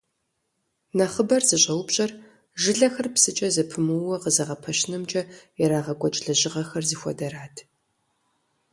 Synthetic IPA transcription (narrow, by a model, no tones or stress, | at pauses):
nɐχəbɐrzɨɕʼɐwbɕʼɐr | ʒɪɮɐxɐrpsɨt͡ʃʼɐzɨpʰɨmɨwɐqəzɐʁɐpʰɐʃɪnɨmt͡ʃʼɐjɛɾaːʁɐɡʷʼɔt͡ʃʼɮɐʑɪʁɐxɐrziːxʷɔ̰dɐɾaːtʰ